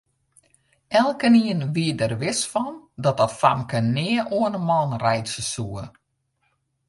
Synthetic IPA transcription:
ɛlˠkəniənʋiədərʋɪsfɔndɔt̚ɔtfa̰mkənɪəʔoənəmɔnrɛjtsəsuə

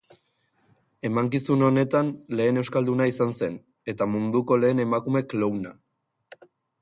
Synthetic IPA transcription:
e̞maŋkisuno̞ne̞t̪anle̞ːne̞wskald̪unaisanse̞n | e̞t̪amund̪uko̞le̞ːne̞makume̞klowna

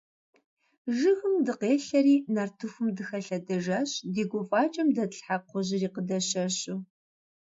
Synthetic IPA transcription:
ʒɨxɨmdɨqeːɬɐɾiːnartʰufɨmdɨxɐɬɐdɐʒɐɕdiːɡʷʊfʼaːt͡ʃʼɐmdɐɬħaqʷɔʑɪriːqədɐɕɐɕʼu

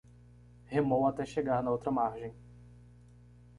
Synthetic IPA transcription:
hemõw̃at̪ɛʃeɡaɾnɐowt̪ɾɐmaɾʒẽj̃

